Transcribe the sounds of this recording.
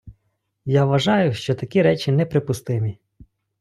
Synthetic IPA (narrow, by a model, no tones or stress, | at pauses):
jaʋɐʒɑjʊʃt͡ʃɔt̪ɐkʲiɾɛt͡ʃinɛpɾɪpʊst̪ɪmʲi